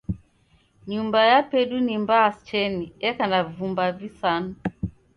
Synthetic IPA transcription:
ɲumbajapɛɗunimbaːst͡ʃɛniɛkanavumbavisanu

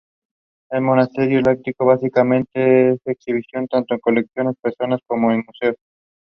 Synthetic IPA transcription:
elmonast̪eɾjolak̚t̪ikoβasikamẽnt̪eeseksiβisjont̪ant̪oeŋkoleksjonespeɾsonaskomoenmuseos

